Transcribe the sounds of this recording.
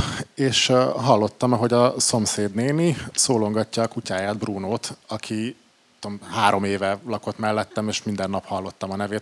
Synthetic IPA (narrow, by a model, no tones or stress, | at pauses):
eːʃɦɒlːo̞t̪ːɒmɒɦo̞ɟɒso̞mseːd̪neːmisoːlo̞ŋɡɒcːɒːkucaːjaːd̪bruːnoːt̪ɒkʰi | t̪ːomhaːɾo̞meːvɛlɒko̞t̪mɛlːɛt̪ːɛmeːʃmind̪ɛnːɒphɒlːo̞t̪ːɒmɒnɛveːt̪